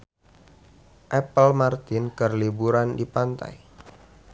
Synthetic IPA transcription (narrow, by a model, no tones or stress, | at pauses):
ʔɛpəlmart̪ɪnkərlibuɾandipant̪a̰j